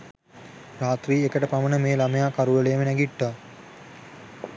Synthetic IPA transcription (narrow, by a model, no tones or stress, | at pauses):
raːt̪riːekəʈəpamənəmeːlamejaːkaɾuʋəleːmənæɡiʈːa